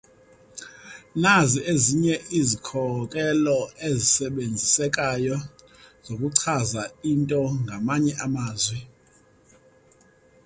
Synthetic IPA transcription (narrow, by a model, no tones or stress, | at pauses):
naziʔeziɲɛʔizikʰɔkʼɛlɔezisɛɓend͡zʱisɛkʼajɔ | zokʼuǀʰazaintʼɔŋɡʱamaɲɛʔamaːzwɛ